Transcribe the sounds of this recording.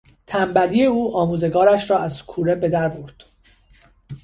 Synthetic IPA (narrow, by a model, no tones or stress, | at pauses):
t̪ʰæmbælije̞uːʔɒːmuːze̞ɡɒːɾæʃɾɒːæzkʰuːɾebe̞d̪æɾbuɾd̪̥